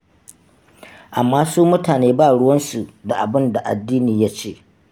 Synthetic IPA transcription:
ʔa˨mːaː˦suː˦mʊ˦taː˨neː˦baː˦˨ɽʊ˦wɐ˦nsu˨da˨ʔa˨bɪ˦nda˨ʔa̰˨dːiː˦niː˨ja˦t͡ʃeː˦˨

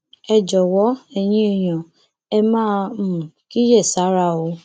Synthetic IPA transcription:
ɛ˧d͡ʒɔ˨wɔ˨˦ɛ˨j̃ĩ˧˦e˦˧j̃ã˨ | ɛ˧mãː˦˧˦mu˨ki˦jɛ˦˨sa˨˦ɾa˧˨o˧˦

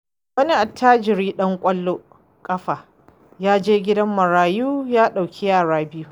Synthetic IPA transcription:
wɐ˦ni˦ʔa˨tːaː˦d͡ʒɪ˨ɽiː˦ɗɐ˦ŋkʷʼɐ˦lːo˦ | kʼɐ˦ɸaː˨ | jaː˦d͡ʒeː˦ɡʲɪ˦dɐ˦mːɐ˨ɽaː˨juː˦jaː˦ɗa˨wkʲʰi˦jaː˨ɽaː˦bɪ˦ju˦

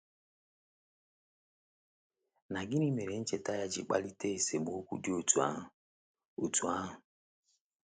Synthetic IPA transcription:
na˨ɡɪ˦ni˦me˨ɾe˨n̩˦t͡ʃe˨ta˦ja˦d͡ʒɪ̰˨k͡pa̰˦li˦te˦e˨se˨mo˨o˦kʷṵ˦dɪ˦o˦˨tu˨a̰˦˨ | o˨tu˨a˦ɦʊ˨

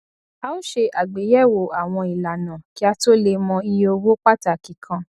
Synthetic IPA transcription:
a˧ũ˦ʃe˧ʔa˨ɡ͡be˨˦jɛ˦˨wo˨a˨w̃ɔ̃˧i˨la˨nã˨ki˨˦a˧to˦le˧mɔ̃˧i˧jo˧wo˦k͡pa˦ta˨ki˨kʰã˧

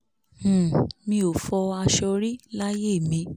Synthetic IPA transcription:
mĩ˧o˨fɔ˧a˧ʃɔ˧ɾi˦la˦je˦˨mĩ˨˧

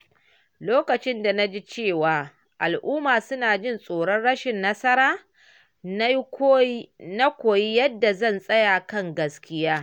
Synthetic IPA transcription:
loː˦kɐ˨t͡ʃɪ˦nda˨na˦d͡ʒi˦t͡ʃeː˦˨waː˨ | ʔa˨lʔuː˦maː˨sʊ˦naː˨d͡ʒɪ˦˨nsʼoː˨ɽɔ˦nɽɐ˦ʃɪ˨nːɐ˦sɐ˦ɾaː˦ | na˦kʷoː˨ji˦jɐ˦dːa˨zɐ˦˨nsʼɐ˦ja˨kɐ˦˨ŋɡɐ˨skʲɪ˦jaː˦

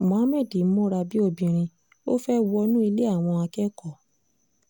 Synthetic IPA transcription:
mɔ̃˨˦mɛ̃˦˨di˨˦mõ˦ɾa˧bi˦o˧bĩ˧˨ɾ̃ĩ˧ | o˦fɛ˦wɔ˧nũ˦i˧le˦a˦˨w̃ɔ̃˧a˧kɛ˦kɔ˦˨

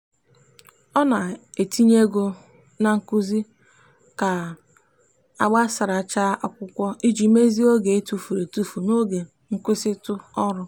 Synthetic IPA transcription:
ɔ˦na˨e˨tʰi˦ɲe˦ɡo˦ | na˨ŋ̩˨ku˦zi˦ | ka˨ | a˨ɡ͡ba˦sa˨ɾa˨t͡ʃa˦ʔa˨kʷʊ˦kʷɔ˦i˦d͡ʒi˨˦me˦zi˦o˦ɡe˨e˦tu˦fu˨ɾe˨tu˦fu˨no˦ɡe˨ | ŋ̩˦kʷɪ˦sɪ˦tʊ˦ɔ˦ɾʊ˦

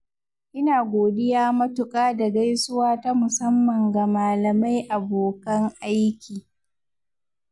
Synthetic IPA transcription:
ʔɪ˦naː˨ɡʷoː˨dɪ˦jaː˦mɐ˦tʊ˨kʼaː˦da˨ɡa˦jsʊ˦waː˦ta˦mʊ˨sɐ˦mːɐ˨ŋɡa˨maː˨lɐ˨ma˦jʔa˨boː˨kɐ˦ŋʔa˦jkʲiː˨

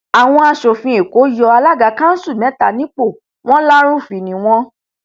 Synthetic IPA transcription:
a˨w̃ɔ̃˧a˧ʃo˨fĩ˧e˨ko˨˦jɔ˧a˧la˦˨ɡa˨˧kã˦n̩˦su˦˨mɛ̃˨˦ta̰˨nĩ˦k͡po˦˨ | w̃ɔ̃˦la˦ɾ̃ũ˦˨fi˨nĩ˨w̃ɔ̃˧

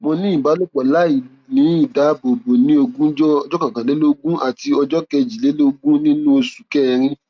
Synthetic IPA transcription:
mõ˧nĩ˦ĩ˦˨ba˨˦lo˦k͡pɔ˨la˦i˨ | nĩ˨˦i˦˨da˨˦bo˨bo˨nĩ˦o˧ɡũ˦ɔ˧˦d͡ʒɔ˦kã˨kã˨le˨˦lo˦ɡũ˦a˦˨ti˧ɔ˧d͡ʒɔ˦kɛ˧d͡ʒi˨le˨˦lo˦ɡũ˦nĩ˦nũ˦o˧su˨kɛ˦˧ɾ̃ĩ˦

